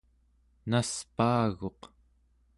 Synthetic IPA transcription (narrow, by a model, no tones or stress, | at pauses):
naspaːɣo̞q